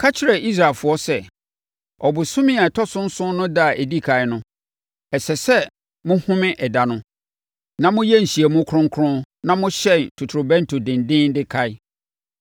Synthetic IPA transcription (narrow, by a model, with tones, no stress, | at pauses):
kʰa˦t͡ɕʰɪ˨ɾɛ˨ʔi˦s̬ɾa˨lfʊ˨ɔ˦sɛ˦˨ | ɔ˨bʊ˨sʊ̃˦mɪ̃˦a˨ɛ˨tʰɔ˦sʊ̃˦n̩˦sʊ̃˦nʊ̃˦da˦˨ʔe˨di˦kʰa˨ɪ˦nʊ̃˦ | ɛ˨sɛ˨sɛ˦ | mʊ̃˦hʊ̃˦mɪ̃˦ʔɛ˨da˨nʊ̃˦ | nã˦mʊ̃˦jɛ˦n̩˨ɕi˨ɛ˨mʊ̃˦kʰʊ˦ʊ̃˦ŋ˦kʰʊ̃˦nã˦mʊ̃˦ɕɛ̃˦˨ntʰu˨tʰʊ˨ɾʊ˨bɛ̃˦n˦tʰʊ˨dɪ̃˨ndɪ̃˦n˦dɪ˦kʰa˦ɪ˦